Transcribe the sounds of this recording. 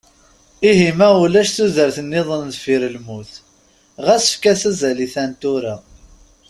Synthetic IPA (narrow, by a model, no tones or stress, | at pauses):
iɦimæulæʃθuðəɾθənːɪðˤənðfiɾəlmuθ | ʁæsə̥fkæsæzæliθænt̪uɾa